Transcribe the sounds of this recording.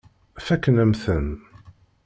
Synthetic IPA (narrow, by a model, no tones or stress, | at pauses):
fækːnəmθən